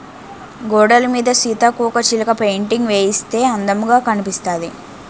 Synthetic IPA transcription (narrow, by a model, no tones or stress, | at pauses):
ɡɔːɖɐlɐmiːd̪ɐsiːt̪akuːkɐt͡ʃilɐkɐpejɳʈiŋɡʋeːjist̪e̞ːɐnd̪ɐmuɡaːkɐnipist̪aːd̪i